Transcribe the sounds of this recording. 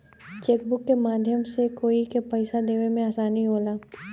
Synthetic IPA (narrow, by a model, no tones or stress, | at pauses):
t͡ʃeːkbʊkːemaːd̪ʱjəmsekoːikepɛɪsad̪eːʋemẽaːsaːniɦoːlaː